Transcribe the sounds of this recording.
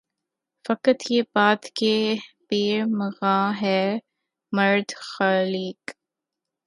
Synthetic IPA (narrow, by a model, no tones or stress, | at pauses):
fɐkət̪jebaːt̪kepeːɾməɣaːɦɛ | mɐɾd̪xaːliːk